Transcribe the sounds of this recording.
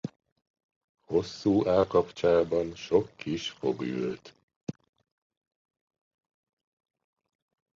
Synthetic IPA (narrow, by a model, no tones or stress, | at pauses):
ho̞sːuːʔaːlkɒpt͡ʃaːbɒnʃo̞kʰːiʃfo̞̰ɡjøt̪